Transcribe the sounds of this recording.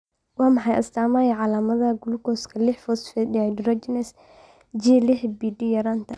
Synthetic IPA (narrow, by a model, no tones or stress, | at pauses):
wɑːmɑħɑjʔɐst̪ʰaːmaːjɐʕɑlaːmɐðɐɡʊlʊkɔːskʰɐlɪħfɔsfɛdɪad̪rɔd͡ʒɪnɛs | d͡ʒilɪħbiːɖijɐɾaːnt̪ʰɐ